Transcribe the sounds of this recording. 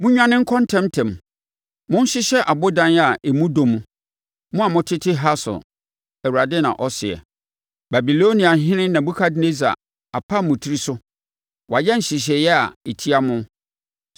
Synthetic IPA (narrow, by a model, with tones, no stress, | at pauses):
mʊ̃˦ɲᶣã˦nɪ̃˦ŋ̩˦kʰɔ̃˦n˦tʰɛ̃˦mtʰɛ̃˨m˨ | mʊ̃˦n̩˦ɕɪ˦ɕɛ˦ʔa˨bʊ˦dã˦n˦a˨ʔe˨mũ˦dõ˨mũ˨ | mʊ̃˦a˨mʊ̃˦tʰɪ˦tʰɪ˦ɦa˦sɔ̰˨ | ɛ˨wu˨ɾa˨dɪ˦nã̰˨ʔɔ˦sɪ˨ɛ̰˨ | ba˨bi˨lo˦nĩ˨a˨ɦɪ̃˦nɪ̃˦nã˨bu˦kʰa˦dɪ˨ne˦za̰˨ | a˨pʰa˦˨mʊ̃˨tʰi˦ɾi˦sʊ˦ | wa˨jɛ˦n̩˨ɕɪ˨ɕ̬ɛ˨jɛ˦a̰˨e˨tʰi˦a˦mʊ̃˦